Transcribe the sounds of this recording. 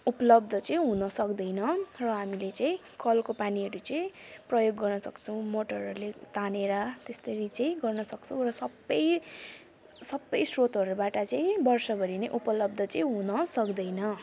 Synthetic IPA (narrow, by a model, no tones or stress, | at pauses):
upʌlʌb̚d̪ʱʌt͡sʌĩɦunʌsʌkd̪ʌjnʌrʌɦamilet͡saĩ | kʌlkopaniɦʌɾut͡sʌĩprʌjoɡːʌrnʌsʌkt͡sʰʌw̃moʈʌɾʌɾulet̪aneɾat̪est̪ʌɾit͡saĩɡʌrnʌsʌkt͡sʰʌw̃rʌsʌbːʌj | sʌbʌjsrot̪ʌɾubaʈʌt͡saĩbʌrsʌbʱʌɾineʔupʌlʌb̚d̪ʱʌt͡sʌĩɦunʌsʌkd̪ʌjnʌ